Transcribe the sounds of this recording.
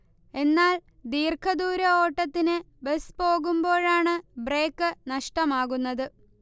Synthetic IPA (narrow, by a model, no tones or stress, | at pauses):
e̞nːaːl | d̪iːrkʰɐðuːɾɐo̞ːʈːɐt̪ːinɨ | be̞spo̞ːɣumbo̞ːɻaːɳɨbre̞ːkːɨnɐʂʈɐmaːɣunːɐðɨ